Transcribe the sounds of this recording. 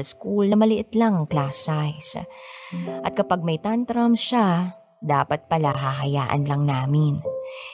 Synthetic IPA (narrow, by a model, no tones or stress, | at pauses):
skulnɐmɐlɪʔɪt̪laŋklaːsajs | ʔɐt̪̚kɐpaɡ̚mɐjt̪ant̪ɾamʃa | d̪aːpɐt̪̚pɐlaɦaɦɐjaːʔɐ̰nlɐŋnaːmɪn